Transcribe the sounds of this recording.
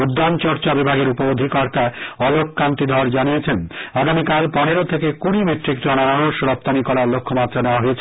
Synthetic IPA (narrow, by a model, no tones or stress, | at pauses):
ud̪ːant͡ɕɔɾt͡ɕabibʱaɡeɾupobod̪ʱikɔɾt̪aɔlokːant̪id̪ʱɔɾd͡ʑanijet͡ɕʰenaɡamikalpɔneɾot̪ʰekekuɽ̃imeʈɾik̚t̪ɾɔnaaɾoʃɾɔp̚t̪anikɔɾalokʰːomat̪ːɾaneoaɦojet͡ɕʰ